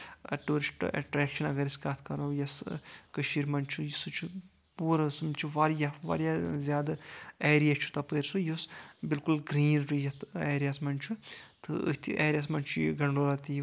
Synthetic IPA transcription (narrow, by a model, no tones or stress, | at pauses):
ʈuːɾisʈḛʈɾeːkʃɐnɐɡɐɾiskaːt̪ʰkɐɾoːjɐskɐʃiːɾmɐnt͡ʃʰujisut͡ʃʰu | puːɾɐsumt͡ʃʰuʋaːɾjaʋa̰ːɾjazʲjaːd̪aeːɾijaːt͡ʃʰu̥t̪ɐpəːɾsujusbilkulɡɾiːnɾujɐt̪ʰeːɾijaːsmɐnt͡ʃʰut̪ʰɨ̰ɨ̰t̪ʰḭʔeːɾijaːsmɐnt͡ʃʰuɡɐɳɖoːlat̪i